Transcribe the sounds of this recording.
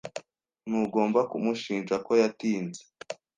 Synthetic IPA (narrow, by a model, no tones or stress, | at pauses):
nuːɡo̞ːmbakumuʃiːnʒako̞jatiːnze̥